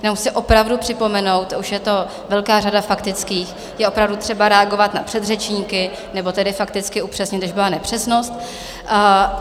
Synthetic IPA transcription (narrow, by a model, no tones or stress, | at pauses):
jnomsɪʔo̞pɾavdupr̝̥ɪpo̞mɛno̞wt̪uʃjɛt̪o̞ | vɛlkaːradafakt̪ɪt͡skiːx | jɛʔopɾavdut̪r̥ɛbaɾɛaɡo̞vat̪napr̝̥ɛd̪rɛt͡ʃɲiːkɪ | nɛbo̞t̪ɛdɪfakt̪ɪt͡skɪupr̥ɛsɲɪt̪oʒbɪlanɛpr̥ɛsno̞st̪̚